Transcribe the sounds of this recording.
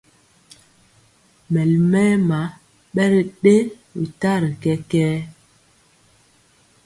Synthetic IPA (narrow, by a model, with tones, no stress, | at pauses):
mɛ˨lmɛ˦ma˨˦ | ɓɛ˦ɾə˨ɗe˦ | wḭ˨ta˦ɾə˨kɛ˦kɛː˦